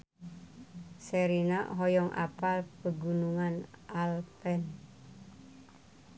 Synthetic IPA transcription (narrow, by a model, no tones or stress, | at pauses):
seɾina̰ʔɦɔjɔŋʔa̰palpəɡunuŋanʔalpɛn